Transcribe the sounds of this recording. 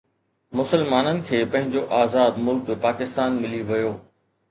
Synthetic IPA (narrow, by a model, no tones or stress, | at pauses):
mʊsəlmaːnənɪ̆kʰeːpɐ̃ɦɪ̃ɲd͡ʑoʔaːzaːd̪mʊlkpaːkɪst̪aːnmɪliʋɐjoː